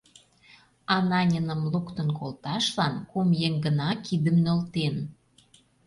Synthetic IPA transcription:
ɑnɑnʲənə̆mlukt̪ə̆nkolt̪ɑʃlɑnkumjeŋɡənɑkid̪əmnølt̪en

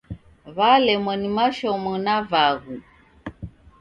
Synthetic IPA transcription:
βalɛmwɛnimaʃɔmɔnavaɣu

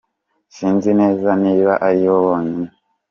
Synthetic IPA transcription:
siːnzine̞ːzaniːβaʔaɾiwoβoːne

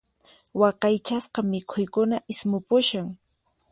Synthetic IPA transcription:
wɑqɑjt͡ʃasqɑmɪkʰʊjkʊnaʔɪsmʊpʊʃaŋ

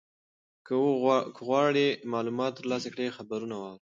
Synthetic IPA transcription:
kəkʰəɣwɑɽemɑlumɑt̪ːəɾlɑsakɽexabaɾunawɑwɾ

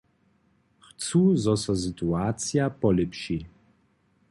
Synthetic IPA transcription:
xt͡suzɔsɔsɨt̪uaːt͡sjapɔlɛpʃi

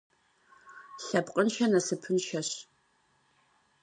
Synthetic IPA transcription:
ɬɐpqʼənʃɐnɐsɨpʰɨnʃɐɕ

